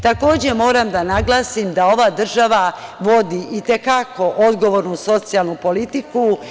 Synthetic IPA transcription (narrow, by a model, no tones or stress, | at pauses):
t̪ako̞ːd͡ʑe̞mo̞ːɾamd̪anaɡlˠaːsimd̪ao̞ʋad̪r̩ʒaʋaʋo̞d̪iʔit̪e̞kako̞ʔo̞d̪ɡo̞ʋo̞ːɾnuso̞t̪sialˠnupo̞lit̪iku